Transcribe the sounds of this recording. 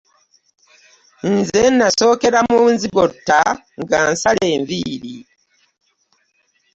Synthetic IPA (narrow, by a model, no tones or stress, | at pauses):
nzenːaso̞ːke̞ɾamunziɡotːa | ŋɡansale̞ːɱviːɾi